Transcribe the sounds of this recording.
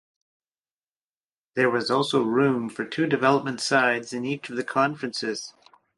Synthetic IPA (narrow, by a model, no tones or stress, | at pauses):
ðə˞wʌzɔlˠsoʊɹũɱfə˞tʰʉdɨvɛlˠəp̚mɨ̃n̩tsaɪdzɨ̃nit͡ʃʌvðɨkʰɑ̃ɱfɹɨ̃nsɪz̥